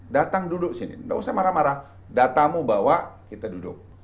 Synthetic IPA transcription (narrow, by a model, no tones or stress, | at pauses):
dat̪aŋdudʊk̚sinɪ̰nba̰usamaɾamaɾa | dat̪amubawakit̪adudʊ̰k̚